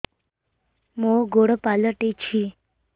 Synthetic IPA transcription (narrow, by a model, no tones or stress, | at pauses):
moɡoɽəpaləʈet͡ʃʰi